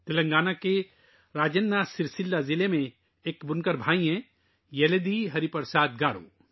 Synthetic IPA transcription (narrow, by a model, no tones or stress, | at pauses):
t̪ɪlə̃ŋɡaːnake | ɾaːd͡ʒənːasɪɾsɪlːazɪlemẽ | eːkbʊnkəɾbʱaːiɦɛ̃ | jɛled̪iɦɐɾipɐɾsaːd̪ɡaːɾo̰ː